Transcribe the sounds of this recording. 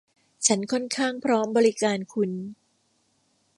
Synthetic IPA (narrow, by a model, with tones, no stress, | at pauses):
t͡ɕʰa˦˥nkʰɔ˥˩nkʰaː˥˩ŋpʰɾɔː˦˥mbɔː˧ɾi˦kaː˧nkʰu˧n